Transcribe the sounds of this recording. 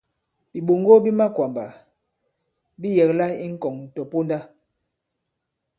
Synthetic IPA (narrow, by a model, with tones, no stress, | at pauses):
bi˨ɓo˨ŋɡo˦bi˦ma˦kwa˨mba˨ | bi˦jɛ˨kla˦i˦ŋ̩˦kɔ˨ŋn̩˨tɔ˨po˦nda˦